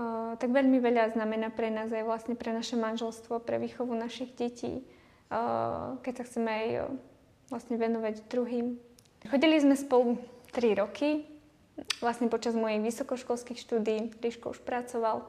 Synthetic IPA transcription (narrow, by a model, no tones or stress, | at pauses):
t̪aɡʋɛʎmiʋɛʎaznamɛnapɾɛnaːzajʋlasɲɛpɾɛnaʃɛmanʒɛlst̪ʋɔpɾɛ̰ʋiːxɔʋunaʃiɣɟɛcʰḭː | kɛcsaxt͡sɛmɛaj | ʋlasɲɛʋɛnɔʋaɟd̪ɾuɦiːm | xɔɟilizmɛspɔlut̪ɾiɾɔkʰi | ʋlasɲɛpɔt͡ʃazmɔjɛjʋisɔkɔʃkɔlskixʃt̪uːd̪iːɾiːʃkɔuʃpɾat͡sɔʋal